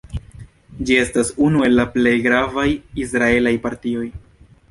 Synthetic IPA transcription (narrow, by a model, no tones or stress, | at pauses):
d͡ʒie̞stasunue̞lːaple̞jɡɾavajisɾae̞lajpaɾtio̞j